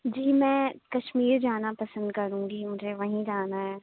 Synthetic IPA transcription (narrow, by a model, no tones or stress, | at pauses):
d͡ʒiːmɛ̃ːkɐʃmiːɾd͡ʒaːnapɐsə̃nd̪kɐɾũːɡimʊd͡ʒʱeʋɐɦĩd͡ʒaːnaɦɛː